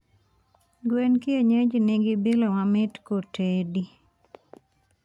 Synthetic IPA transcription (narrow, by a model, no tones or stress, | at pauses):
ɡwenkɪeɲed͡ʒnɪɡɪbilomamɪtkotedi